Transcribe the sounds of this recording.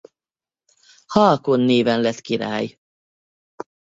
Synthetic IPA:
hɒlkonːeːvɛnlɛt̪kiɾa̰ːj

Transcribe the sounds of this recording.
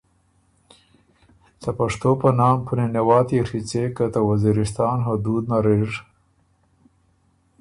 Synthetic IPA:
sapaʂt̪opənɑmpʰunenewɑːt̪iɾit͡sekət̪awaziɾɪst̪ɑːnɦod̪ud̪naɾiʐ

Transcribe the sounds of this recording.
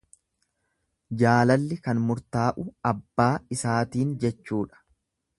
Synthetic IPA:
d͡ʒaːlɐlːɪkɐnmʊɾt̪aːʔʊɐbːaːɪsaːt̪iːnd͡ʒɛt͡ʃːuːᶑɐ̥

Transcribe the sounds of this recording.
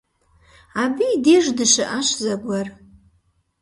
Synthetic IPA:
abiːdeʐdɨʃɨʔaʃʷzaɡʷar

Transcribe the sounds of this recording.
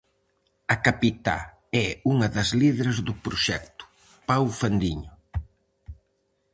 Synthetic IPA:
ɐkapit̪a̰ | ɛuŋɐðɐzliðeɾɐzðʊpɾʊʃɛk̚t̪ʊ̥ | pawfand̪iɲʊ

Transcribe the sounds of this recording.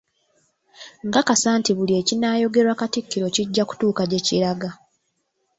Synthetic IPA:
ŋɡakasaːntiβulie̞cinaːjo̞ɡe̞ɾwakatikːiɾo̞ciɟːaku̥tuːkaɟe̞ciɾaɡa

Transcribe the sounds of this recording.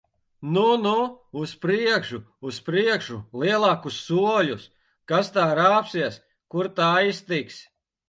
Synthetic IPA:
nunuuspɾiɛkʃuːspɾiɛkʃulˠiɛlˠɑːkusːuɔlus | kast̪aːɾaːpsiɛs | kuɾt̪aːist̪iks

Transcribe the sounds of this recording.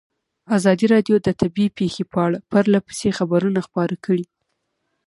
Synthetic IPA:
azɑd̪iɾɑɖjod̪ət̪ʰabipexepəaɽapaɾlapə̥sexabaɾunaxpɑɾakəɽi

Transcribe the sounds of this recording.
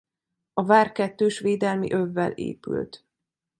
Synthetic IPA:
ɒvaːrkɛt̪ːøːʃʋeːd̪ɛlmḭʔøvːɛ̰lḛːpy̰lt̪

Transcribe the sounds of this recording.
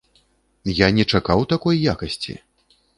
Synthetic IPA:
janʲɛt͡ʂakawt̪akɔjːakɐsʲt͡sʲḭ

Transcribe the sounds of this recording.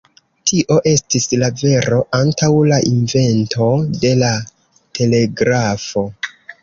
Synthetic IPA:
tʰiʔo̞ʔe̞stislave̞ɾo̞ʔantawlaʔinve̞nto̞de̞la | tʰe̞le̞ɡɾafo̞

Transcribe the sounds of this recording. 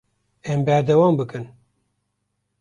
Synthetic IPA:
ɛmbæɾd̪ɛwɑːmbɨkɨn

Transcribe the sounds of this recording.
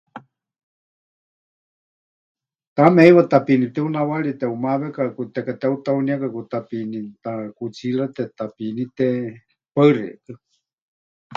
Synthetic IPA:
t̪amɛiwat̪apinip̚t̪ɛunawaɺit̪ɛumaβɛkakut̪ɛkat̪ɛut̪auniakakut̪apinit̪akut͡sʰilat̪ɛt̪apinit̪ɛ | paɨrɛ̰ʔkɨ

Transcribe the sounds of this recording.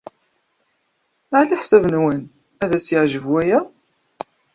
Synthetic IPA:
aʕliħsævnwən | æðæsjəʕʒəvwæjæ

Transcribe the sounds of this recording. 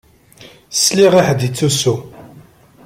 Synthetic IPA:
sliʁiħd̪it͡sːusu

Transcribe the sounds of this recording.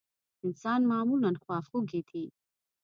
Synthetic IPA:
insaːnmaːmulankʰwaːfuɡit̪ʰi

